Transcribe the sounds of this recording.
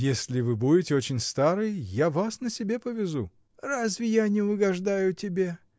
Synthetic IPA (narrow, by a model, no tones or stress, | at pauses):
jesʲlʲɪvɨbudʲɪtʲɪot͡ɕɪnʲst̪aɾɨjjavasnəsʲɪbʲe̞pəvʲɪzu | razvʲɪjanʲɪʊɡɐʐd̪ajʊtʲɪbʲe